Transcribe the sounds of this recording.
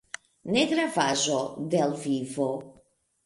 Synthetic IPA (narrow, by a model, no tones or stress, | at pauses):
neɡɾavazod̪elvivo